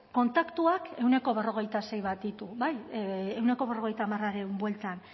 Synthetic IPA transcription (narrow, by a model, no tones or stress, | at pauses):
ko̞nt̪akt̪uake̞wne̞ko̞β̞e̞ro̞ɣ̞ejt̪ase̞jβat̪it̪uβaje̞wne̞ko̞βero̞ɣe̞jt̪aːmaraɾewmbwe̞lt̪an